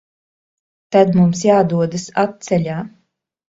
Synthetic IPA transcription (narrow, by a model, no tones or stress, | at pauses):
t̪ad̪mumsjaːd̪uɔd̪asat̪̚t̪sɛʎʲaː